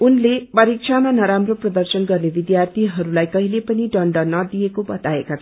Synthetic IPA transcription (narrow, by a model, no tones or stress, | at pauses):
unlebʌɾik̚t͡sʰamanʌɾamroprʌd̪ʌrsʌnɡʌrnebid̪jart̪ʰiɦʌɾulajkʌɦilepʌniɖʌɳɖʌnʌd̪ijekobʌt̪aekat͡sʰ